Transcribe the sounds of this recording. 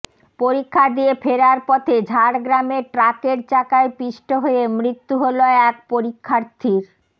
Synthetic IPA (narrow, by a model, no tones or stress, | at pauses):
poɾikʰːad̪iepʰeɾaɾpɔt̪ʰed͡ʑʱaɽɡɾameʈɾakeɾt͡ɕakaepiʃʈoɦojemɾit̪ːuɦoloɛkpoɾikʰːaɾt̪ʰiɾ